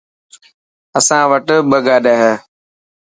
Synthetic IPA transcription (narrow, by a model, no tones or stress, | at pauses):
əsãːʋəʈɓəɡaːɗɛːɦɛː